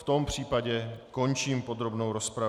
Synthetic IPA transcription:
ft̪o̞mpr̝̥iːpaɟɛko̞nt͡ʃiːmpo̞d̪ɾo̞bno̞wɾo̞spɾa

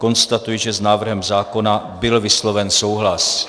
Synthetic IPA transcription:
ko̞nst̪at̪ujiʒɛznaːvr̩ɦɛmzaːko̞nabɪlvɪslo̞vɛnso̞wɦlas

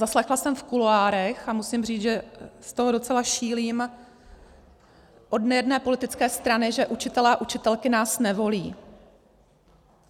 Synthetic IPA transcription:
zaslɛxlasɛmfkuloaːɾɛxamusimriːd͡zʒɛst̪oɦodo̞t͡sɛlaʃiːliːm | ʔo̞dnɛjɛdnɛːpo̞lɪt̪ɪt͡skɛːst̪ɾanɪʒɛʔut͡ʃɪt̪ɛlɛːaʔut͡ʃɪt̪ɛlkɪnaːsnɛvo̞liː

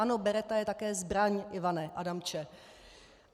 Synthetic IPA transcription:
anobɛɾɛt̪ajɛt̪akɛːzbɾaɲʔɪvanɛʔadamt͡ʃɛ

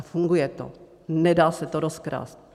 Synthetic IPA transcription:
fuŋɡujɛt̪o̰ | nɛdaːsɛt̪oɾoskɾa̰ːst̪

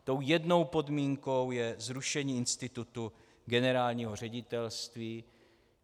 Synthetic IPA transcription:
t̪o̞wjɛdno̞wpo̞d̪miːŋko̞wjɛzɾuʃɛɲiːɪnst̪ɪt̪ut̪u | ɡɛnɛɾaːlɲiːɦo̞r̝ɛɟɪt̪ɛlst̪viː

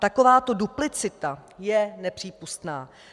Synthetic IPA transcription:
t̪ako̞vaːt̪o̞duplɪt͡sɪt̪ajɛnɛpr̝̥iːpust̪naː

